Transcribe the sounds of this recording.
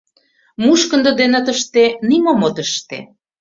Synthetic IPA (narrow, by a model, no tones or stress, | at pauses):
muʃkə̆nd̪ə̆d̪enə̆t̪əʃt̪enimomot̪əʃt̪ḛ